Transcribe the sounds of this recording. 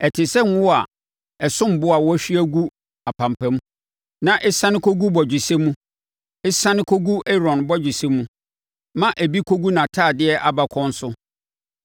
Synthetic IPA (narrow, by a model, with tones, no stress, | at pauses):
ɛ˨tʰɪ˨sɛ˦n˦wɔ˦a˨ | ɛ˨sʊ̃˦m˨bʊ˦a˨wɔ˦æ˦ɕᶣi˦æ˦ɡu˦ | a˨pʰã˨m˨pʰɛ̃˦m˦ | nã˨ʔɛ˦sã˦nɪ̃˦kʰo˦ɡu˦bɔ˨d͡ʑᶣɪ˨sɛ˦mũ˦ | ɪ˦sã˦nɪ̃˦kʰo˦ɡu˦ɛ˦ɾɔ̃˨nbɔ˦d͡ʑᶣɪ˨se˦mũ˦ | mã˦ʔæ˨bi˦kʰo˦ɡu˦nã˨tʰaː˦˨dɪ˦ɛ˦ʔa˨ba˦kʰɔ̃˦n̩˦sʊ˦